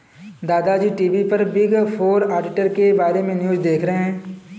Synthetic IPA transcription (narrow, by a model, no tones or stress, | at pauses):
d̪aːd̪ad͡ʒiːʈiːʋipɐɾbɪɡpʰoːɾaːɖɪʈəɾkebaːɾemẽnjuːd͡ʒd̪eːkʰɾɐɦɛ̃ː